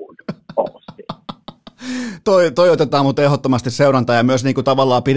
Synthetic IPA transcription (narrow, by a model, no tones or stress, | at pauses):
o̰si | t̪oit̪oiot̪et̪ɑːmut̪ehot̪ːomɑst̪isseuɾɑnt̪ɑːjɑmyøsniːŋkut̪ɑʋɑlːɑːpiɾ